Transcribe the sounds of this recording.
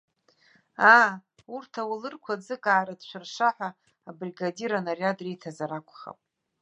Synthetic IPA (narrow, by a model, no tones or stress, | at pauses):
a | urtʰawlɨrkʷʰad͡zɨkʼaːɾadʃʷarʂaħʷaː | briɡadiɾanarjadrijtʰazaɾakʷʰʼχa̰pʼ